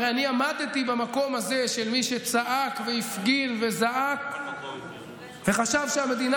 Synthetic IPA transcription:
eaniamad̪et̪ibamako̞maze̞ʃe̞lmiʃe̞t͡saʔakve̞ifɡinve̞zaʔak | ve̞χaʃavʃeame̞d̪in

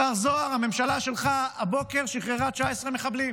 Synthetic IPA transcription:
aʁzoaʁhame̞mʃalaʃe̞lχaabo̞ke̞ʁʃiχʁeʁat̪t͡ʃaesʁemeχablim

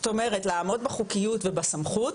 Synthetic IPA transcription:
t̪o̞me̞ʁetlaːmo̞dbaχukijutvebasamχut

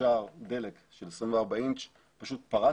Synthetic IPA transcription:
aːʁd̪e̞lekʃelesʁimveabaint͡ʃ | paʃut̪̚paʁa

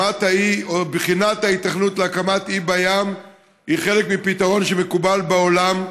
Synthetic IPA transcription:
ataiobχinat̪hait̪ːaχnutleakamatibajam | iχe̞le̞kmipitaʁo̞nʃemekubalbeo̞lam

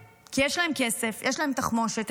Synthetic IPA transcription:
kijeʃlae̞mkesefjʔeʃlae̞mt̪aχmonʃet̪

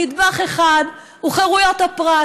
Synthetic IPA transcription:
id̪baχeχad̪ | uχeʁujo̞t̪hapʁa

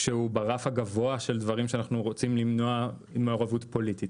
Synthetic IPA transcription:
ʃeubaʁafhaɡavo̞aʃe̞ldvaʁimʃeanaχnuʁo̞t͡simlimnoa | imaoʁavutpo̞litit

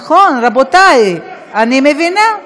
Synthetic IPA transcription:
χonɾabotaj | animevina

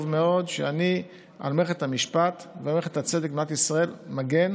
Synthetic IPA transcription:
vmeo̞d̪ʃeani | a̰lmeχet̪hamiʃpat̪veameχet̪hat͡se̞d̪ek̚bnat̪isʁae̞lmaɡe̞n

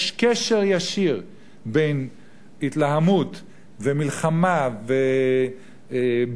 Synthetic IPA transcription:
ʃkeʃeʁjaʃiʁ | bejn | hit̪lahamut̪ | vemilχamave

